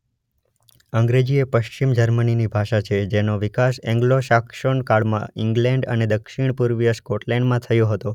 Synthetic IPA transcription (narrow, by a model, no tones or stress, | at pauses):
əŋɡɾed͡ʒiepəʃt͡ʃimd͡ʒəɾməninibʱaʃat͡ʃʰed͡ʒenoʋɪkasɛ̃ŋɡloʃakʃoɳkaɭmã̰ɪŋɡlɛ̃ɳɖə̰ned̪əkʃiɳ̃puɾʋijəskoʈlɛɳɖmãt̪ʰəjõɦət̪o